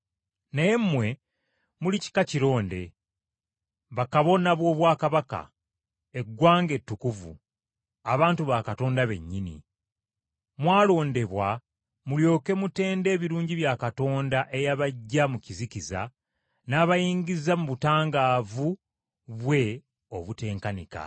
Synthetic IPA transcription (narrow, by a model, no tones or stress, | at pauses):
naje̞mmwe̞ | mulici̥kaciɾo̞ːnde̞̰ | βakaβo̞naβwo̞ːβwaːkaβaka̰ | e̞ɡːwaːŋɡe̞tːukuvṵ | aβaːntuβakato̞ːndaβe̞̰ɲːinḭ | mwaːlo̞ːnde̞βwa | muljo̞ːke̞mute̞ːnde̞ːβiɾuːɲɟiβjakato̞ːndaʔe̞jaβaɟːamuciziciza̰ | naːβajiːɲɡizamuβutaːŋɡaːvu | βwe̞ | o̞βute̞ːŋkanika̰